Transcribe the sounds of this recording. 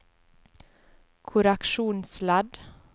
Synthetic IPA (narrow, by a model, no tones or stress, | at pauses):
kʰʊɾækʃuːnslɑd̪